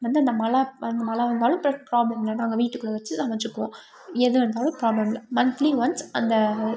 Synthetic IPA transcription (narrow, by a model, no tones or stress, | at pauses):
ʋɐnd̪ɯɐnd̪ɐmɐlɐɐnd̪ɐmɐlɐʋɐnd̪aːlʊ̃mpɾɐpɾaːblɐmɛnːɐnaːŋɡɐʋiːʈːɯkːɯɭɐʋɐt͡ʃːɯt̪ãːʋɐɲd͡ʒɯkːɯʋõː | ɛðɯʋɐnd̪aːlɯ̃pɾaːblɐmlɐmɐnt̪liʋɐnsɐnd̪ɐ